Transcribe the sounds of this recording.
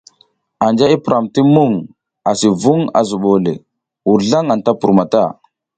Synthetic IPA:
a˨nd͡ʒa˦i˦pɾʔa˨mti˦mu˦˨ŋ | a˨si˨vu˦ŋa̰˨zu˨ɓo˨lḛ˨ | wu˨ɾɮa˦ŋa˨n˨ta˦pu˨ɾma˨ta̰˦˨

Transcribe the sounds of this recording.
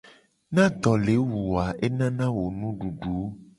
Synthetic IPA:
nã˦d̪ɔ˨le˨˦wu˨a˨ʔe˦nã˦nã˦wo˨nũ˦ɖu˨ɖu˨˦

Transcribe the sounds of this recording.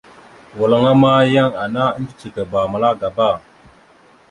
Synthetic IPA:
wa˨la˦ŋa˦ma˦ja˦˨ŋa˨na˦ə˦nd͡ʒi˦t͡ʃi˨ka˨ba˨ma˨la˦ɡa˨ba˦˨

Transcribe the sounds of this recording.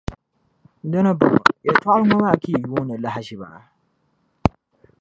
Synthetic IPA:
da˦nɨ˦bɔ̰˨ŋ˨jɛ˨twa˦ʔa˦ɨ˦ŋɔ˦ba˦˨ki˦˨ju˦nɨ˨la˦ɦa˦ʃi˨ba̰˨ʔa˨

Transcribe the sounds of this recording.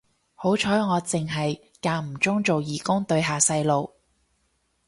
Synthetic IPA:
ho˨˥wt͡ʃʰɔː˨˥jŋɔː˨˧t͡sɪ˨ŋɦɐ˨j | kaː˧m̩˨˩t͡sʊ˥ŋt͡so˨wjiː˨˩kʊ˥ŋt̪ɵ˧ɥɦaː˨sɐ˧jlo˨w

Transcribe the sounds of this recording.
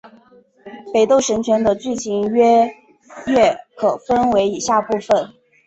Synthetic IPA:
pe˨˩ɪt̪o˥˩ʊʂə˧˥nt͡ɕʰɥɛ˧˥nd̪ə˧t͡ɕy˥˩t͡ɕʰi˧˥ŋɥɛ˥ | ɥɛ˥˩kʰɤ˨˩fə˥nwe˧˥ɪi˨˩ɕja˥˧pu˥˩fə˨˩n

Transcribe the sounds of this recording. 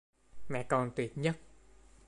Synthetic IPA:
mɛ̰˧˨kɔ˧nt̪wi˨˩ət̚ɲə˦˥t̚

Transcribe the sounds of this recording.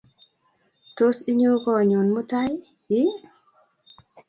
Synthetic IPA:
to˦si˦ɲu˦kɔ˨ɲu˨nmu˦ta˦j | ji˦

